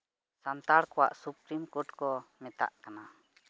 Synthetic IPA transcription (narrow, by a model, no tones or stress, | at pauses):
sant̪aɽkɔwa̰ʔsupɾimkɔʈkɔmɛt̪a̰ʔkana